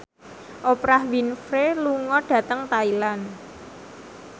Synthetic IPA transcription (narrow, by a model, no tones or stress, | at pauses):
ʔopɾahwinfɾeluŋɔɖ̥ä̤t̪əŋt̪ailan